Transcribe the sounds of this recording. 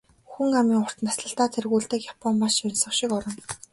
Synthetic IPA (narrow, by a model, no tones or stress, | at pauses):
xuŋamiːŋʊr̥t̪nasɮə̆ɬt̪aːt͡sʰerɣuːɮt̪ɘ̆kjapʰɔmpaʃɔnsɞ̆χʃɪkɔɾɞ̆n